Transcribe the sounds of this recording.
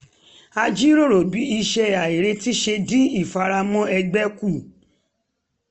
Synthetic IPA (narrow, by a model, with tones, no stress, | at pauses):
a˧d͡ʒi˦ɾo˦˨ɾo˨bi˨˦i˧ʃɛ˧a˨e˨ɾe˧ti˦ʃe˧dĩ˦i˦˨fa˧ɾa˧mɔ̃˦ɛ˧ɡ͡bɛ˦ku˦˨